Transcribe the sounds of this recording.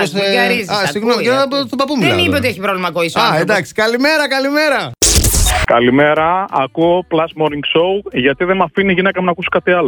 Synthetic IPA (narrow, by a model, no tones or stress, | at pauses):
osɐɾiizɐsiɣnokɐst̪obɐpumɐnipeot̪ieçipɾovlimɐkoisɐend̪ɐksi̥kɐlimeɾɐkɐlime̞ɾɐ | kɐlimeɾɐːkuoplɐsmoɾiŋɡsowʝɐt̪iðemɐfiniʝinekɐmnɐkuso̥kɐt̪iɐlo